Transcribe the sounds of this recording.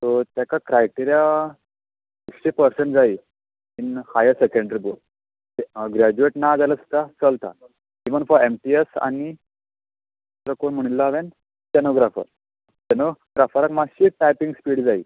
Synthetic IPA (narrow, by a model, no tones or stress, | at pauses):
t̪ot̪jakakɾajʈiɾija | ekɕepəɾseɳʈd͡zaiː | inhajəɾsekẽɳɖɾibol | eɡɾad͡ʑueʈnad͡zaləst̪at͡səlt̪a̰ | iʋənfɔɾemʈiesa̰ni | t̪ɾəkoɳm̤əɽ̃ilːaaʋen | tenoɡɾafə̰ɾ | tenoɡɾafəɾakmaɕiʈajpĩŋɡspiːɽd͡zai